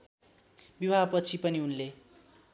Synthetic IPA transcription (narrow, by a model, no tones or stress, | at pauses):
bibʱapʌt͡sʰipʌniunle